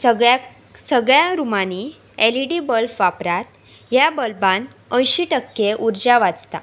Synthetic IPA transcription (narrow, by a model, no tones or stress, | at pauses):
əɡa | səɡɭjaɾumani | eliɽibəlfʋapɾat̪̚ | jabəlbanə̃jɕiʈəkːeʔuɾd͡ʑaʋad͡zt̪a̰